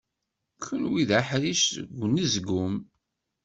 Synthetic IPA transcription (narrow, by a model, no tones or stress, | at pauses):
kʰənwiðaħɾiʃɡʷːnizɡʊm